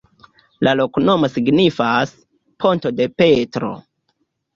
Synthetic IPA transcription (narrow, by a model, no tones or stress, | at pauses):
lʔalo̞kuno̞mo̞siɡnifas | pʰo̞nto̞de̞pe̞tɾo̞̰